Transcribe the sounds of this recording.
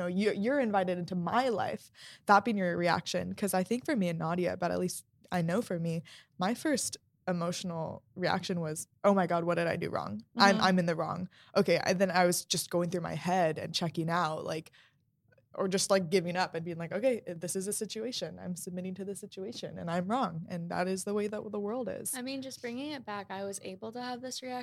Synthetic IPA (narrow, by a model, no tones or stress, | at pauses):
oʊjəjə˞ɨ̃ɱvaɪɾɨɾɪ̃ntuma̰ɪla̰ɪfðət̚b̥ĩŋə˞ɹiæ̰kʃɨ̰̃nkʰʌzaɪθɪ̃ŋkfə˞miɨ̃nɑɾiɨ̰b̥ʌɾɨ̰tˡlist̚ | aɪnoʊfə˞mimaɪfɜ˞st | ɨmoʊʃn̩l̩ˠɹiæ̰kʃɨ̃nwʌz̥ʔoʊmaɪɡɑd̚wʌt̚dɨɾaɪdɨ̰ɹɔ̰̃ŋãɪ̃mã̰ɪ̃mɨ̃nðɨɹɔ̰̃ŋ | ʔoʊkʰeɪʔa̰ðɨ̃naɪwʌzd͡ʒʌsɡ̥oʊɪ̃ŋθɹʉma̰ɪhɛɾɨ̰̃nt͡ʃʰɛkɪ̃ŋaʊt̚lʔa̰ɪk | ʔə˞d͡ʒʌstˡlaɪk̚ɡ̥ɪvɪ̃ŋʌpɨ̃nbiɪ̃ŋlaɪkoʊkʰeɪʔðɪsɨzɨsɪt͡ʃʉeɪʃɨ̃nã̰ɪ̃msɨb̚mɪɾɪ̃ŋtʰɨðɨsɪt͡ʃʉeɪʃɨ̰̃nɨ̰̃nãɪ̃mɹɔ̃ŋɨ̃nðə̰ɾɪzðəweɪðəʔ̚wʌðəwɜ˞lˠdɪ̰z̥aɪmĩnd͡ʒʌsb̥ɹɪ̃ŋɪ̃ŋɪt̚b̥ækaɪwʌzḛɪbl̩ˠtɨːvðɪsɹiæ